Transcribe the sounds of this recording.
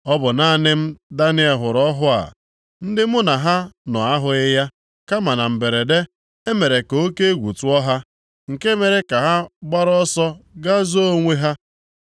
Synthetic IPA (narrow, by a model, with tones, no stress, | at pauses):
ɔ˦bʊ˨na˨˦˨nɪ˦m̩˦da˦nɪ˦e˨ɦʊ˨ɾɔ˦ɦʊ˦a̰˨ | n̩˦dɪ˦mʊ˦na˨ɦa˦nɔ̰˨a˦ɦʊ˨ɪ˦ja˦ | ka˦ma˨na˨m̩˨be˨ɾe˨de˦ | e˦me˨ɾe˨ko˦ke˦e˦ɡʷṵ˨tu˦ɔ˦ɦa˦ | ŋ̩˨ke˦me˨ɾe˨˦ka˨ɦa˦ɡ͡ba˦ɾɔ˦sɔ˦ɡa˦zo˦o˦ŋʷe˦ɦa˦